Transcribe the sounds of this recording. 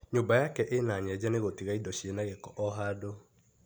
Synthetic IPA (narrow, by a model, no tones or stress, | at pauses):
ɲobajakɛʔenaɲɛd͡ʒaneɣotiɣaidɔʃienaɣekɔʔɔɦado